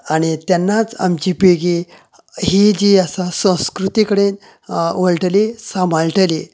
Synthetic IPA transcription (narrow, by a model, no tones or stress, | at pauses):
aɽ̃it̪janːat͡sa̰mt͡ɕiːpeɡi | hid͡ʑiasasə̃w̃skɾut̪ikəɽen | ʋəɭʈəlesam̤ʱalʈəle